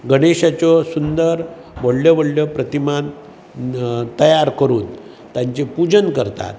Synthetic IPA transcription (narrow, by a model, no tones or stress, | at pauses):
ɡəɽeɕat͡ɕɔsund̪əɾ | ʋoɽljɔʋəɽljɔpɾət̪iman | t̪əjaɾkəɾuːn | t̪jaɲt͡ɕepud͡ʑənkəɾt̪a̰t̪